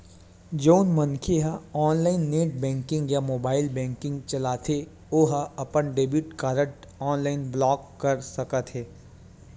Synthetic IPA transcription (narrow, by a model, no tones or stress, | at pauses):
d͡ʒoːnmɐnkʰeɦaɔːnlaːɪnːeːʈ̚bɛ̃ːŋkɪ̃ŋɡjamoːbaːɪlbɛ̃ːŋkɪ̃ŋɡt͡ʃɐlaːt̪ʰe | oːɦaɐpənɖeːbiʈkaːɾəʈ | ɔːnlaːɪnblɔːkːɐɾsɐkət̪ɦɛː